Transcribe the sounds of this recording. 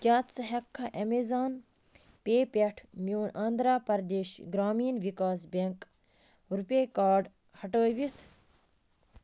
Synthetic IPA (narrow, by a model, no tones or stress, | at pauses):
kʲaːt̪t͡sɐɦɛkʰːɐʔemezaːn | peːpʲeʈʰmjuːnaːnd̪ɾaːpɐɾd̪eːʃɡɾaːmiːnʋikaːsbʲeŋk | ɾupʲeːkaːɖ | hɐʈəːʋit̪ʰ